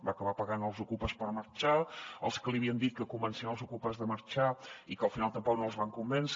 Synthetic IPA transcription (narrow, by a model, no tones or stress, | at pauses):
bakəβapəɣanəlˠzukupəspəɾməɾt͡ʃaəlˠskəliəβiənd̪it̪̚kəkumənsenəlˠzukupəzðəməɾt͡ʃaikəlˠfinalˠt̪əmpɔk̚noəlˠzβaŋkumbɛns